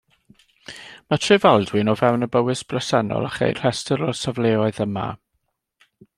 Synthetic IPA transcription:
matʰrɪvalˠdwɨnɔvɛwnəbəwɨsb̥ləsanɔ̰lˠa̰χḛjr̥ɛstəɾɔsavleːɔɨðəma̰

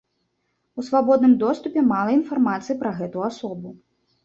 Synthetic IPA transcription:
usvabɔd̪nɨmd̪ɔst̪upʲɛmalˠɐinfarmat̪sɨjipɾɐɣɛt̪uasɔbu

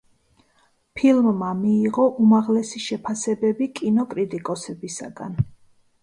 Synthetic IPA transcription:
pʰilˠmːamiːʁɔʔumaʁlɛsiʃɛpʰasɛbɛbikʼinɔkʼɾit̪ʼikʼɔsɛbisa̰ɡa̰n

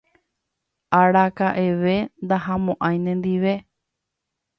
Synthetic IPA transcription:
aɽakaʔeʋe̞nd̪aɦamõʔãj̃nẽnd̪iʋe̞

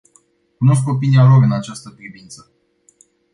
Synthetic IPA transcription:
kuno̞s̬ko̞p̬inialo̞ɾɨnat͡ʃast̪əpɾivint̪sə

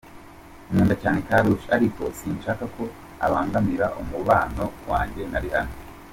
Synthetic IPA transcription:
imeːndacaːnekaːɾuʃaɾikʰo̞siːnʃaːkakʰo̞ | a̰βaːŋɡamiɾaʔumuβaːno̞wa̰ːɲɟe̞naɾiha̰no

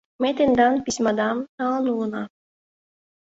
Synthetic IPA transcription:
met̪end̪ɑnpisʲmɑd̪ɑmt̪ɑːlˠnunɑ

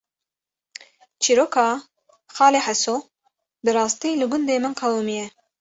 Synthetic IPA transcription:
t͡ʃʰiːɾokʰɑː | xɑːleħaso | bɨɾɑːst̪iːlɨɡʊnd̪eːmɨnqʰɑwumijɛ

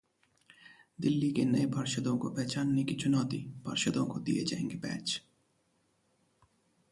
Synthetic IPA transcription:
d̪ilːikenejbʱaɾʃed̪owkobɛt͡ɕʰanːikit͡ɕʰunɔt̪ib̥ʱa̰ɾʃed̪owkod̪ḭjet͡ɕɛ̰jŋɡebɛ̰t͡ɕ

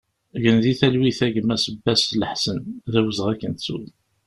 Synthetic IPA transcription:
ʝənðiθælwiθæʝəmːæsəbːæsləħsənðæwəzʁækːənt͡sːṵ

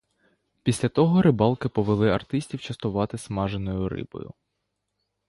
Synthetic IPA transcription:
pʲisʲlʲɐt̪ɔɦɔɾɪbɑlˠkɪpɔʋelˠɪɐrt̪ɪsʲtʲiwt͡ʃɐst̪ʊʋɑt̪ɪsmɑʒenɔjʊɾɪ̰bɔ̰jʊ̰

